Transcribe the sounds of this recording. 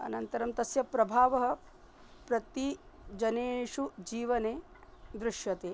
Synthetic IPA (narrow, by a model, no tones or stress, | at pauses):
ɐ̰nɐnt̪ɐɾɐmt̪ɐsjɐpɾɐbʱaːʋɐɦɐ̆ | pɾɐt̪i | d͡ʒɐneːʂud͡ʒiːʋɐneː | d̪ɾɪʃjɐt̪eː